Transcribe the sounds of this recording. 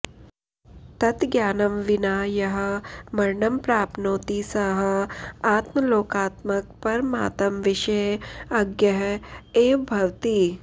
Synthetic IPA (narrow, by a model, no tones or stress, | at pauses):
t̪ɐt̪ɡjaːnɐmʋɪnaːjɐɦɐ̆mɐɾɳɐmpɾaːpnoːt̪isɐɦɐaːt̪mɐloːkaːt̪mɐk̚pɐɾma̰ːt̪ɐmʋɪʃɐjɐɡjɐɦeːbʱɐʋt̪iː